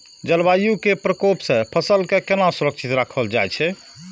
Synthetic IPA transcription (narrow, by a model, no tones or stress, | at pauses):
d͡ʒəlbajukepɾəkopsẽpʰəsəlkekenasuɾəksʰit̪ɾakʰəld͡ʒa̰jt͡ʃʰɛ